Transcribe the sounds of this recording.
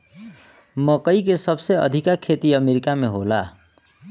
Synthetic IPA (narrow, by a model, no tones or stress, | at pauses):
mʌkʌjkesʌbsʌjʌ̰d̪ʱikakʰet̪iʌmeɾikameɦola